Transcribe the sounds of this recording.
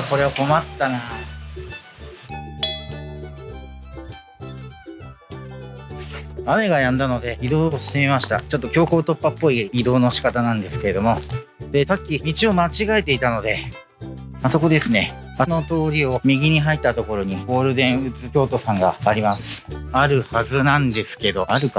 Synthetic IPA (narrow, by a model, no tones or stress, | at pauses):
ko̞ɾe̞βako̞mat̪ːana | ame̞ɡajãnd̪ano̞d̪e̞id̪o̞ːoɕi̥t̪emimaɕi̥t̪a̰t͡ɕo̞t̪ːo̞kʲo̞ːko̞ːt̪o̞pːapːo̞iid̪o̞ːno̞ɕi̥kat̪anãnd̪e̞sɨ̥ke̞ɾe̞d̪o̞mo̞ | d̪̥e̞sakʲːimʲit͡ɕio̞mat͡ɕiɡae̞t̪e̞it̪ano̞d̪e̞ | aso̞ko̞d̪e̞sɨne̞ | ano̞t̪o̞ːɾʲio̞mʲiɡʲiɲ̟iɦait̪ːat̪o̞ko̞ɾo̞ɲ̟iɡo̞ːɾɯ̟d̪ẽ̞ɰ̃ɯ̟t͡sɨkʲo̞ːt̪o̞sãŋɡa̰ːɾʲimasɨ̥aɾɯ̟hazɨnãnd̪e̞sɨ̥ke̞d̪o̞aɾɯ̟ka